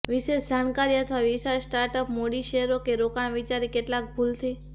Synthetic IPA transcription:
ʋiʃeʃd͡ʒʱankaɾiət̪ʰʋaʋisasʈaɾʈəpmoɽiʃeɦɾokeɾokaɳ̃ʋit͡ʃaɾikeʈlak̚bʱult̪ʰi

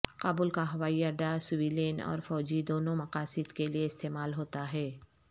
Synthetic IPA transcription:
qaːbʊlkaɦɐʋaːiɐɾɖ̪asʊʋiːleːnɔ̰ːɾfɔːd͡ʒid̪oːnõmɐqaːsɪd̪kelieɪst̪eːmaːlɦoːt̪aɦɛː

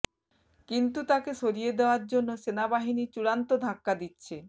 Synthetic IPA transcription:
kint̪ut̪akeʃoɾijed̪eoaɾd͡ʑonːoʃenabaɦinit͡ɕuɽant̪od̪ʱakːad̪itːɕʰe

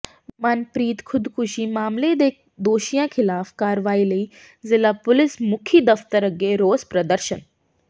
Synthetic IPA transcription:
manpɾiːt̪kʰʊd̪kʰʊʃimaːmled̪e | d̪oːʃijãkʰɪlaːfkaːɾʋaːilɐi | zɪlapʊlɪsmʊkʰid̪ɐft̪əɾɐɡeɾoːzpɾɐd̪əɾʃən

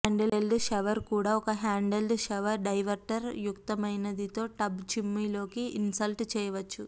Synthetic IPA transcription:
aːɳɖeelɖʃeʋɐɾkuːɽaːɔkɐɦaːɳɖelɖʃeʋɐɾɖɐjʋɐɾʈɐɾjukt̪ɐmɐjnɐd̪it̪o̞ːʈɐbt͡ʃimːiːlo̞ːkiinsɐlʈt͡ʃɛːjɐʋɐt͡ʃːu

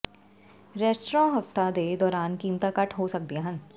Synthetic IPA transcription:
ɾɛːsʈɾãːɦɐft̪ad̪ed̪ɔːɾaːnkiːmt̪akɐʈʰɦosɐk̚d̪iaɦə̃n

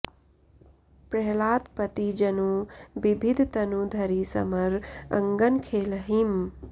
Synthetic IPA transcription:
pɾɐɦlaːt̪pɐt̪id͡ʒɐnubibʱid̪ʱt̪ɐnud̪ʱɐɾisɐ̰mɐɾɐ̰ŋɡənkʰeːləɦim

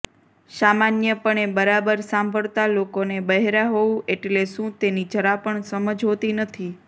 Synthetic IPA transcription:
samanjəpəɳebəɾabəɾsãmbʱəɭt̪alokonebəɦeɾaɦoũʔeʈleʃũt̪enid͡ʒəɾapəɳsəməd͡ʒɦot̪inət̪ʰi

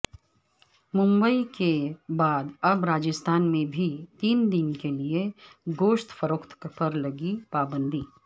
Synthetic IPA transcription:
mʊ̃mbəikebaːd̪ɐbɾaːd͡ʒəst̪ʰaːnmẽbʱit̪iːnd̪ɪnkelieɡoːʃt̪fəɾoːkt̪pɐɾlɐɡipaːbə̃nd̪ʱiː

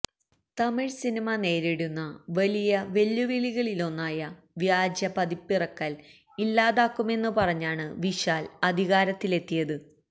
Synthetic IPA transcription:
t̪ɐmiɻsinimɐne̞ːɾiɽunːɐʋɐlijɐʋe̞lːuʋiɭiɣɐɭilo̞nːaːjɐ | ʋjaːd͡ʑjɐpɐðipːirɐkːɐl | ilːaːðaːkːume̞nːupɐrɐɲːaːɳɨʋiɕaːlɐd̪ʱiɣaːɾɐt̪ːile̞t̪ːijɐðɨ

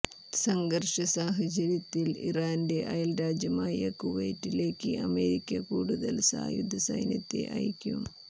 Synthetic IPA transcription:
sɐŋɡɐrʂɐsaːɦɐt͡ɕɐɾjɐt̪ːilḭraːnde̞ʔɐjɐlɾaːd͡ʑjɐmaːjɐ̰kuʋḛjtːile̞ːkːɨʔɐ̰me̞ːɾikʲːɐkuːɽuðɐlsa̰ːjṵd̪ʱːɐsɐ̰jnjɐt̪ːe̞̰ʔɐ̰jkʲːum

